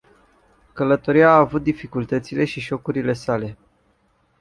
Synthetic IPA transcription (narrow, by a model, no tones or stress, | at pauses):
kələt̪o̞ɾiaːvut̪̚d̪ifikult̪ət̪sile̞ʃiʒo̞kuɾile̞sale̞